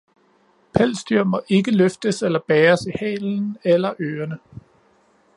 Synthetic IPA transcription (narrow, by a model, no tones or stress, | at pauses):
pʰæl̰sd̥yɐ̰mɐʔe̝ɡ̥əløfd̥əselɐb̥ɛːɐsihɛ̰ːln̩elɐʔøːɐnə